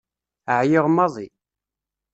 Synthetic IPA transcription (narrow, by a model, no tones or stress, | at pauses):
əʕjɪʁmːɑðˤi